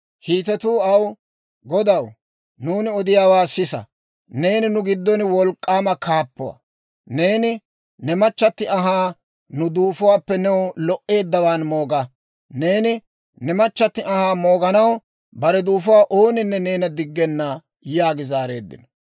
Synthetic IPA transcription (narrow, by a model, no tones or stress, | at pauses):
hiːt̪ɛt̪uːɐw | ɡɔd̪ɐw | nuːnɪɔd̪ɪjaːwaːsɪsɐ̰ | ne̞ːnɪnʊɡɪd̪ːɔnwɔlkʼːaːmɐkʰaːpːʊwɐ̰ | ne̞ːnɪ | nɛmɐt͡ʃːɐt̪ːɪʔɐɦaː | nʊd̪uːfʊwaːpːɛnɛwlɔʔe̞ːd̪ːɐwaːnmoːɡɐ | ne̞ːnɪ | nɛmɐt͡ʃːɐt̪ːɪʔɐhaːmo̞ːɡɐnɐw | bɐɾɛd̪uːfʊwaːʔoːnɪnːɛne̞ːnɐd̪ɪɡːɛnːɐ | jaːɡɪzaːɾe̞̰ːd̪ːɪ̰nɔ